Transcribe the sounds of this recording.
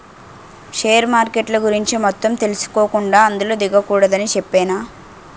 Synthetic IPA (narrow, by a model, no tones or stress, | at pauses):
ʂeːjɐɾmaːɾkeʈlɐɡuɾiɲt͡ʃimɔt̪ːɐmt̪e̞lisu̥koːkuɳɖaːɐnd̪uloːd̪iɡɐkuːɽɐd̪ɐnit͡ʃepːɛːnaː